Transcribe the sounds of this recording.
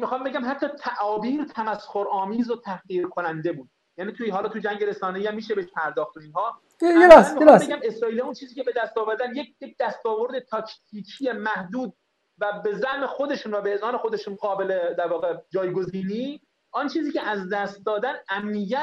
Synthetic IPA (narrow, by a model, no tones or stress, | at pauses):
mixɑːmbeɟæmɦæt̪ʰːɒːt̪ʰæʔɒːbiːɾt̪ʰæmæsxoɾɒːmiːzot̪ʰæhɣiːɾkʰonænd̪e̞buːd̪ | jæːniːt̪ʰuɦɒːlɒːt̪ʰud͡ʒæŋɟeɾe̞sɒːne̞jiːæmːiːʃebeʃpʰæɾd̪ɒːxt̪oinɦɒː | mibeɡæme̞sɾɒːiliunt͡ʃʰiːziːcʰe̞be̞d̪æst̪ɒːvæɾd̪ænjec̚jec̚d̪æst̪ɒːvo̞ɾd̪et̪ʰɒkʰt̪ʰiːcʰijemæhd̪uːd̪̚ | væbe̞zæhmexo̞d̪e̞ʃunvæbeezɒːnexod̪eʃunɡɒːbe̞led̪æɾvɒːɣed͡ʒɒːjɡo̞ziːniː | ʔɒnt͡ʃʰiːziːcʲʰeʔæzd̪æst̪̚d̪ɒːd̪ænæmːijæ